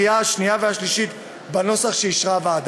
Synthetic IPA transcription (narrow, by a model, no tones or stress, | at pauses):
iaaʃniaveaʃliʃit̪ | bano̞saχʃeiʃʁaveːd̪